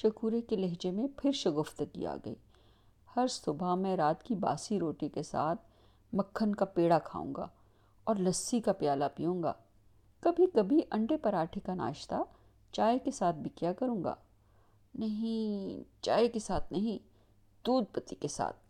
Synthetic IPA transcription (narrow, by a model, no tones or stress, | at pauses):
ʃɐkuːɾekelɛɦd͡ʒemẽpʰɪɾʃɐɡʊft̪kḭja̰ɡɐ̰ḭː | hɐɾsʊbʱamɛ̃ɾaːt̪kiba̰ːsiɾoːʈikesa̰ːt̪ʰ | mɐkʰːənkapeːɽakʰa̰ːṵ̃ːŋɡa̰ː | ɔːɾlɐsːikapjaːlapijũːŋɡa̰ː | kɐbʱikɐbʱiʔɐ̃ɳɖepɐɾaːʈʰekana̰ːʃt̪a | t͡ʃaːekesaːt̪̚ʰbʱɪkjakɐɾũːŋɡa̰ː | nɐɦĩt͡ʃaːekesaːt̪ʰnɐɦĩ | d̪̥uːd̪̚pɐt̪ikesa̰ːt̪̚ʰ